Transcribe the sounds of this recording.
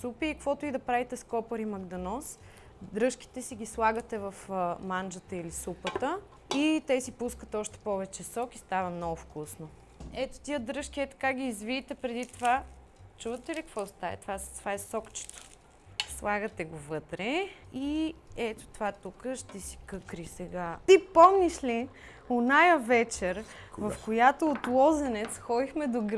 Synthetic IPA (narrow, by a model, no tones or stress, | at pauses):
supiːkəkvɔt̪ʊid̪ɐpɾavit̪ɛskɔpəɾimɐɡd̪ɐnɔs | d̪ɾɤʃk̟i̥t̪ɛsiɡʲislˠaɡət̪ɛvɐfmand͡ʒət̪əilisupət̪ə | it̪ɛsipuskət̪ɔʃt̪ɛ̥pɔvɛt͡ʃɛsɔkist̪avəmnɔɡʊfkusno | ɛt̪o̥t̪iəd̪ɾɤʃk̟iɛt̪ɐ̥kaɡʲiːzviːt̪ɛpɾɛd̪it̪ova | t͡ʃuvət̪ɛlikɐkvɔst̪avɛ̰t̪ovast̪ovaɛsɔkt͡ʃɛ̥t̪o̥ | slˠaɡət̪ɛɡovɤt̪ɾɛiɛt̪o̥t̪ovat̪ukəʃt̪ɛsi̥kɤkɾisɛɡat̪ipɔmniʃli | onajəvɛt͡ʃɛɾvɐfkojat̪oːt̪lˠɔzɛnɛt̪sxɔd̪ixmɛd̪oɡ